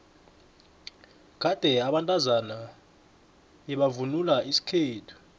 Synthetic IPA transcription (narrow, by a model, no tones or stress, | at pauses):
ɡ̥ʱad̥ʱɛaɓantʼazana | ɓɛɓavunulaisi̥kʰeːtʰu̥